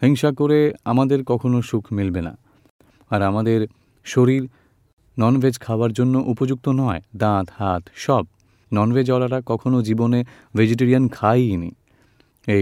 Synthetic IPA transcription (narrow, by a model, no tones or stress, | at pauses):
hiŋʃakoɾeamad̪eɾkɔkʰonoʃukʰmilbena̰ | aɾamad̪eɾ | ʃoɾiɾ | nɔnvʱed͡ʑkʰaoaɾd͡ʑonːoʔupod͡ʑuk̚t̪onɔed̪ãt̪hat̪ʃɔb̚ | nɔnbʱed͡ʑɔlaɾakɔkʰonod͡ʑibone | vʱed͡ʑeʈ̬eɾiankʰajnḭ | e